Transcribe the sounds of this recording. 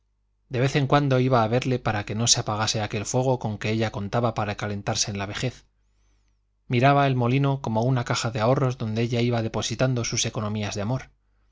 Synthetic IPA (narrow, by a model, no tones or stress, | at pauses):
d̪e̞βe̞θe̞ŋkwand̪o̞iβaːβ̞e̞ɾle̞paɾake̞no̞seapaɣ̞ase̞ake̞lfwe̞ɣ̞o̞ko̞ŋke̞eʎako̞nt̪aβapaɾakale̞nt̪aɾse̞ːnlaβ̞e̞xe̞θ | miɾaβae̞lmo̞lino̞ko̞mounakaxaðe̞ao̞ro̞zðo̞nd̪e̞eʎaiβaðe̞po̞sit̪and̪o̞suse̞ko̞nõ̞miazðeamo̞ɾ